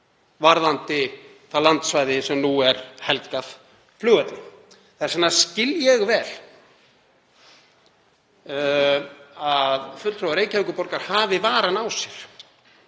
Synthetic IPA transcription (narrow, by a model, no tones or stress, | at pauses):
vaɾðant̪ɪ | θalant̪svajðɪsɛmnuɛɾhɛlkaθ | flʏːɣat̪lɪ | θaɛɾsɛnːascɪljɛɣvɛːl | aðfʏlt̪ɾowaɾeːjcaviŋkʏpɔɾkaɾ̥haːvɪvaːɾanawsjɛɾ̥